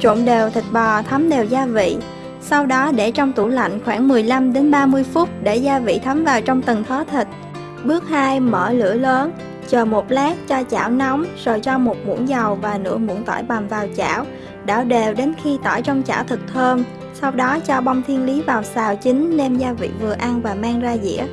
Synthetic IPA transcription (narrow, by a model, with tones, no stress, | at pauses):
t͡ɕʊ̰˧˨ŋ͡mɗe˨˩wt̪ʰï˨˩k̟̚ɓɔ˨˩t̪ʰə˨˦mɗe˨˩wzaː˧vḭ˧˨ | sa˧wɗɔ˨˦ɗe˧˩t͡ɕɔ˧wŋ͡mt̪u˧˩la̰˧˨jŋ̟xwaː˧˩ŋmɨ˨˩əjla˧mɗe˨˦nɓaː˧mɨ˧əjfʊ˦˥t̚ɗe˧˩zaː˧vḭ˧˨t̪ʰə˨˦mvaː˨˩wt͡ɕɔ˧wŋ͡mt̪ɨ˨˩ŋt̪ʰɔː˨˦t̪ʰï˨˩k̟̚ | ɓɨ˦˥ək̚haː˧jməː˧˩lɨ̰˧˥ələː˨˦n | t͡ɕəː˨˩mo˨˩t̚laː˦˥k̚t͡ɕɔ˧t͡ɕa̰ː˧˩wnɔ˨˦wŋ͡mzo˨˩jt͡ɕɔ˧mo˨˩t̚mṵ˧˥nzə˨˩wvaː˨˩nɨ̰˧˥əmṵ˧˥nt̪ɔ̰˧˩jɓa˨˩mvaː˨˩wt͡ɕa̰ː˧˩w | ɗa̰ː˧˩wɗe˨˩wɗe˨˦nxi˧t̪ɔ̰ː˧˩jt͡ɕɔ˧wŋ͡mt͡ɕa̰ː˧˩wt̪ʰɨ˨˩k̚t̪ʰəː˧n | sa˧wɗɔ˨˦t͡ɕɔ˧ɓa˧wŋ͡mt̪ʰi˧ənli˨˦vaː˨˩wsaː˨˩wt͡ɕï˨˦ŋ̟nɛ˧mzaː˧vḭ˧˨vɨ˨˩əʔa˧nvaː˨˩maː˧ŋzaː˧zḭ˧˥ə